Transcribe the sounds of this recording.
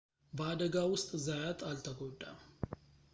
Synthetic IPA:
bəad̪əɡawʊst̪ʼzajat̪ʼalt̪ʰəɡoɖʼːa

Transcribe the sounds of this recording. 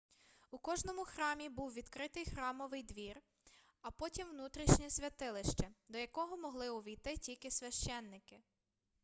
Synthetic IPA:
ukɔʒnɔmʊxɾɑmʲibuwʋʲid̪kɾɪt̪ɪjxɾɑmɔʋɪjd̪ʋʲir | ɐpɔtʲimwnut̪ɾʲiʃnʲɛsʲʋʲɐt̪ɪlˠɪʃt͡ʃɛd̪ɔjɐkɔɦɔmɔɦlˠɪʊʋʲijt̪ɪtʲilʲkɪsʲʋʲɐʃt͡ʃɛnːɪkɪ

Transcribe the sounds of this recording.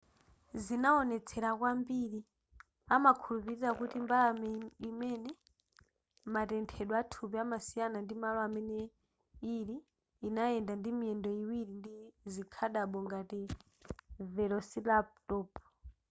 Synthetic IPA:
zinaɔnɛt͡sʰɛɾakwambiɾi | amakʰulupiɾiɾakutimbalamimɛnɛ | matɛntʰɛɗwatʰupiamasijanandimalɔamɛnɛ | iɾiː | naɛndandimiɛndɔiwiɾindizikʰaɗaɓɔŋɡati | vɛlɔsilap̚tɔːp

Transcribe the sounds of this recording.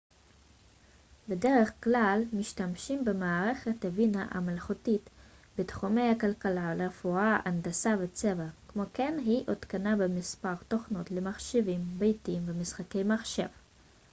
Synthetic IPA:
bede̞ʁeχklalmiʃtamʃimbemaːʁe̞χetavinaʔa̰malχutit | betχume̞jakalkalaleʁefuaʔa̰ndasavet͡sevakmokenɦiʔotkanabemispaʁto̞χno̞tlemaχʃevimbejtimvemisχake̞jmaχʃe̞v

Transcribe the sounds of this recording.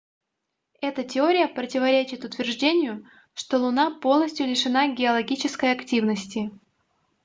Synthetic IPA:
ɛt̪ətʲɪo̞ɾʲɪjəpɾətʲɪvɐɾʲet͡ɕɪt̪ʊt̪vʲɪrʐdʲenʲɪjʊ | ʂt̪o̞lˠʊnapo̞lˠnəsʲtʲjʊlʲɪʂɨnaɡʲɪɐlˠɐɡʲit͡ɕɪskəjɐktʲivnəsʲtʲɪ

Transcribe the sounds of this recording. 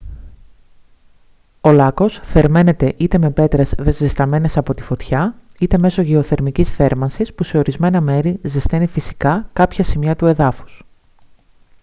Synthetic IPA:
o̞lɐko̞sθe̞ɾme̞ne̞t̪e̞ʔit̪e̞me̞pe̞t̪ɾezðe̞zist̪ɐme̞ne̞sɐpo̞t̪i̥fo̞t̪çɐit̪e̞me̞so̞ʝeo̞θe̞ɾmicisθe̞ɾmɐnsispuse̞o̞ɾizme̞nɐme̞ɾizist̪enifisi̥kɐkɐpçɐsimiɐt̪ue̞ðɐfu̥s

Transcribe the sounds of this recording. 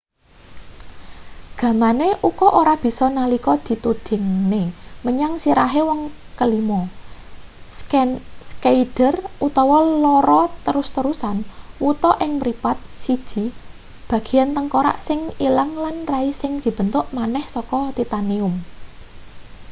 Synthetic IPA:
ɡ̥ä̤maneʔukɔʔoɾab̥i̤sɔnalikɔd̪̥i̤t̪ud̪̥ɪ̤ŋneməɲaŋsiɾaɦewɔŋ | kəlimɔ | skaid̥ərut̪ɔwɔlɔɾɔt̪əɾʊst̪əɾusanwut̪ɔʔɪŋmɾipat̪̚sid̥ʒ̥i̤ | b̥ä̤ɡ̥i̤jant̪əŋkoɾa̰ʔsɪŋilaŋlanraisɪŋd̪̥i̤b̥ə̤nt̪ʊʔmanɛhsɔkɔt̪it̪aniʊm

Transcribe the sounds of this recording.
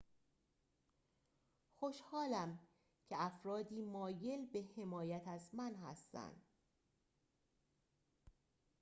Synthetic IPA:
xo̞ʃhɒːlæm | cʰe̞æfɾɒːd̪iːmɒːje̞lbe̞he̞mɒːjæt̪ʰæzmænɦæ̰st̪æ̰nd̪̥

